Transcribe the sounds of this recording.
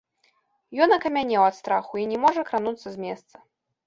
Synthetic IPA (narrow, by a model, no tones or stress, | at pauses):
jɔnɐkɐmʲanʲɛwat̪st̪ɾaxuinʲɛmɔʐɐkɾanut̪sːɐzʲmʲɛst̪sɐ